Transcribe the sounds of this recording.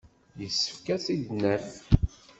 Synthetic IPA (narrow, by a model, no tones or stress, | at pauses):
jəsːə̥fkæsiʝnə